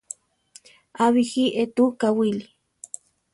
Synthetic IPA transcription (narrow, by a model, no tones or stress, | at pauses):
aβixiʔet̪ukawili